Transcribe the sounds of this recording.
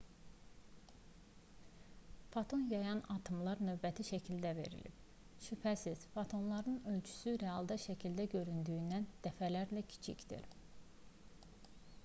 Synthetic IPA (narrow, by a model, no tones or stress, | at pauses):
fot̪ʰo̞njɑjɑnɑt̪ʰɯmlˠɑɾnø̞vbæt̪ʰiʃæcʰild̪æve̞̰ɾḭlḭb̥ | ʃypʰæsiz̥fot̪ʰo̞nlˠɑɾɯnø̞lt͡ʃʰy̥syɾeɑlˠd̪ɑʃæcʰild̪æɟø̞ɾynd̪yjynd̪ænd̪̥æfælæɾlæcʰi̥t͡ʃʰḭcd̪̥ḭɾ